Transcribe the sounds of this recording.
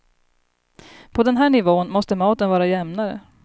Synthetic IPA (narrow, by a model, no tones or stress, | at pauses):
pʰɔd̪ɛnɦæːɳɪvoːənmɔst̪əmɑːt̪ənvɑːɾajɛmnaɾə̰